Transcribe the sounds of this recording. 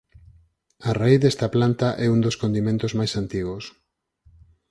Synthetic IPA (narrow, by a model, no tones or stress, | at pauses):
araiθðest̪aplant̪aʔɛund̪oskond̪imẽnt̪ozmajsant̪iɣ̞os